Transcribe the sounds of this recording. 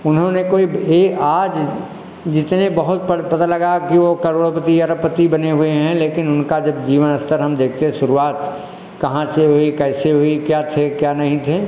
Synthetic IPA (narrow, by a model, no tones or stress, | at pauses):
ʊnɦõnekoːieːaːd͡ʒ | d͡ʒɪt̪nebɐɦʊt̪̚pəpɐt̪alɐɡakiʋokɐɾoːɽpət̪iɐɾəpət̪ibɐneɦʊeɦɛ̃leːkɪnʊnkad͡ʒɐb̚d͡ʒiːʋənɐst̪əɾɦɐmd̪eːkʰt̪eɦɛ̃ʃʊɾuaːt̪ | kɐɦãseɦʊikɛːseɦʊikjaːt̪ʰekjaːnɐɦĩt̪ʰe